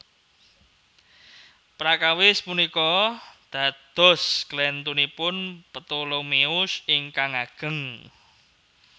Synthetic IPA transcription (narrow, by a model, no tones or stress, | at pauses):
pɾakawɪspunikɔd̪̥ä̤d̪̥ɔ̤sklɛnt̪unipʊnpət̪olomeʊsɪŋkaŋaɡ̥ə̤ŋ